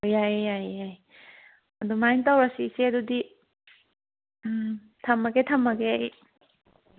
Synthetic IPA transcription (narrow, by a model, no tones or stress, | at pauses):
ojajajaj | ɐdumajŋtawɾɐsiːseɐdudi | tʰɐmːɐɡetʰɐmːɐɡej